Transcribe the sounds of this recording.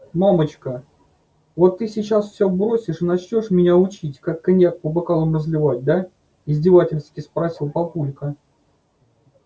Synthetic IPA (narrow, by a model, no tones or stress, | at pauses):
mamət͡ɕkə | vot̪ːɨsʲɪt͡ɕasfsʲɵbɾosʲɪʂɨnɐt͡ɕnʲoʂmʲɪnʲaʊt͡ɕitʲkakːɐnʲjak̚pəbakalˠəmrəzlʲɪvat̚ʲd̪a | ɪzʲdʲɪvatʲɪlʲst̪kʲɪspɾɐsʲilˠpɐpulʲkə